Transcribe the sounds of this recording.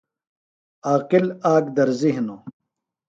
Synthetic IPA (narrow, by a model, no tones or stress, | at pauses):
aːqilaːɡd̪ɐɾziɦnoː